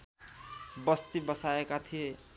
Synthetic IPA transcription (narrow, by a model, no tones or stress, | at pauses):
bʌst̪ibʌsaekat̪ʰije